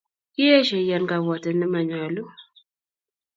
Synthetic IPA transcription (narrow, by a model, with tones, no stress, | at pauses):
i˦a˦ʃe˨ja˨nɡa˨wɔ˨tə˨nə˦ma˨ɲa˨lu˦